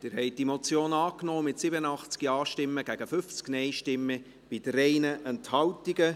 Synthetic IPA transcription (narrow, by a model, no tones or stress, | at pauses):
d̥ɪːɾhɛɪd̥imot͡sjoːnɑːknoːmɪtsɪbənənɑχt͡skiɑːʃtɪmːəɡ̥æɡ̥əfʏft͡sknɛɪʃtɪmːə | b̥idəɾɛɪnəʔɛnthɑwtiɡə